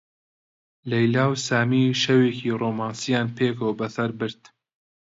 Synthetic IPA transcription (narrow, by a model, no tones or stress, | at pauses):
lɐjlaːwsaːmiːʃɐweːkiːroːmaːnsijaːnpʰeːkowbɐsɐɾbɨɾt̪